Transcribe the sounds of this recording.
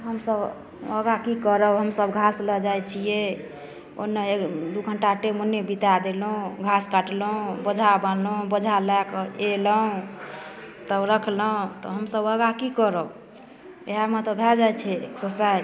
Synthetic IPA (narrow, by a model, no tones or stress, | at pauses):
ɦəmsəb | əɡakikəɾəuɦəmsəbɡʱasləd͡ʒajt͡ʃʰije | o̰nːeed̪uɡʱəɳʈaʈemonːebit̪ad̪elɦũɡʱaskaʈlũbəd͡ʒʱabanlũbəd͡ʒʱalakeləũ | t̪əɾəkʰləũt̪ɔ̰ɦəmsəbəɡakikəɾəu | eɦamət̪əbʱad͡ʒajt͡ʃʰɛksəsa